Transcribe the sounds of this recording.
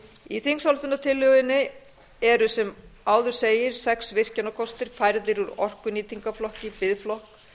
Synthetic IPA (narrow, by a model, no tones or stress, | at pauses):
iθiŋsawlt̪ʏnːat̪ʰɪlːʏɣðɪnːɪ | ɛɾʏsɛmaːwðʏɾ̥seːjɪɾ̥sɛksvɪr̥cɛnakʰɔst̪ɪɾ̥fajɾðɪɾuɾɔr̥kʏniːt̪iŋkaflɔhcɪpɪðflɔhk